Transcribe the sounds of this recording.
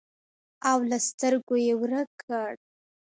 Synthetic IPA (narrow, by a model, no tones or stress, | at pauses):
awlast̪əɾɡojewɾəkʰəɽ